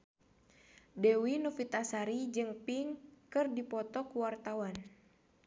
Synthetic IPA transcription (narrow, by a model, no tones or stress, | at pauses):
dɛwinufit̪asaɾid͡ʒɨŋpiŋkɨrdipɔt̪ɔkuwart̪awan